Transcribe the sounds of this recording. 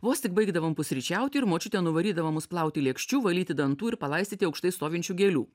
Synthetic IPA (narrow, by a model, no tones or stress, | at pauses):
ʋoːst̪ʲɪkbɐɪɡd̪ɐʋompʊsʲɾʲit͡ʃʲæˑʊt̪ʲɪɪɾmoːt͡ʃʲʊt̪ʲɛnʊʋɐɾʲiːd̪ɐʋoːmʊsplˠɐˑʊt̪ʲɪlʲeɛkʃʲt͡ʃʲuːʋɐlʲiːt̪ʲɪd̪ɐnt̪uːɪɾpɐlˠɐɪsʲt̪ʲiːt̪ʲɐʊkʃt̪ɐɪst̪oːʋʲɪnʲt͡ʃʲuːɡʲeːlʲṵː